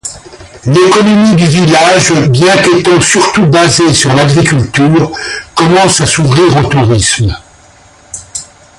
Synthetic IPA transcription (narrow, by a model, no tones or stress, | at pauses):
lekɔnɔmid̪yvilaʒbjɛ̃k̪et̪ɑ̃syʁt̪ubazesyʁlaɡʁikʲylt̪yːʁkɔmɑ̃sasuvʁiːʁot̪uʁism